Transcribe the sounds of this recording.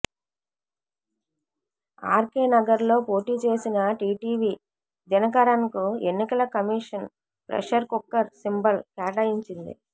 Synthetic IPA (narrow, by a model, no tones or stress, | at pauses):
aːɾkeːnɐɡɐɾlo̞ːpo̞ːʈiːt͡ʃe̞ːsinɐʈiːʈiːʋiː | d͡ʒɐnɐkaɾanikue̞nːikɐlɐkɐmiːʂɐn | pɾɛ̰ʂɐɾkukːɐɾsimbɐlkaːʈɐjiɲt͡ʃind̪ḭ